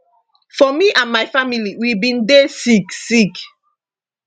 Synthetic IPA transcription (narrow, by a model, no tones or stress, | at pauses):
fɔmiʔãnmajfamiliwibĩndesiksik